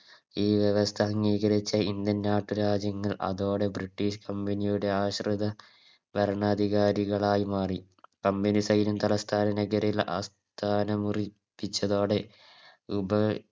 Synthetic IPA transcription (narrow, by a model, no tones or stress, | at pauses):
iːʋjeʋɐst̪ʰɐhɐŋːiːɣɐɾit͡ɕːɐind̪jɐnnaːʈːuɾaːd͡ʑjɐŋːɐɭʔɐ̰ðo̞ːɽe̞briʈːiɕkʰɐmbɐnijuɽe̞aːɕrɨðɐ | bɐɾɐɳɐːd̪ʱiɣaːɾiɣɐɭaːjimaːri | kɐmbɐnisɐjnumt̪ɐlɐst̪ʰaːnɐnɐɣɐɾilɐʔɐ̰s | t̪ʰaːnɐmuri | pːit͡ɕːɐðo̞ːɽe̞ | ubɐ